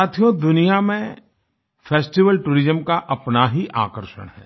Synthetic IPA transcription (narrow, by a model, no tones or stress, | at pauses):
aːt̪ʰijõd̪ʊnijamẽ | fʰeːsʈiʋəlʈuːɾɪzəmkaʔɐpnaɦiʔa̰ːkəɾʃə̰ɽ̃ɦɛ̰ː